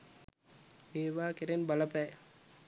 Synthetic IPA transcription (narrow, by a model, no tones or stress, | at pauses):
eːʋaːkeɾenbalɐpæː